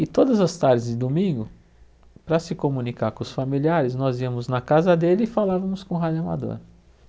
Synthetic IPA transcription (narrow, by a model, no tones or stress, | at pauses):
ɪt̪od̪ɐzɐst̪aɾd͡ʒɪzd͡ʒɪd̪omĩɡʊ | pɾɐsɪkomũnikaɾkõʊsfamiliaɾɪznɔziɐmʊznɐkazɐd̪elɪːfalavɐmʊskõɦad͡ʒɐma̰d̪o̰ɾ